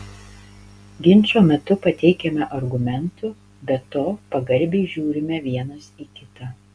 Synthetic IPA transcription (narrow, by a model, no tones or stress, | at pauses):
ɡʲɪnʲˑt͡ʃʲoːmʲɛt̪ʊpɐt̪ʲɛɪkʲɛmʲɛʔɐɾɡʊmʲɛnt̪ʊ | bʲɛt̪oːpɐɡɐɾʲbʲɛɪʒʲuːɾʲɪmʲɛʋʲiɛnɐsiːkʲɪt̪ɑː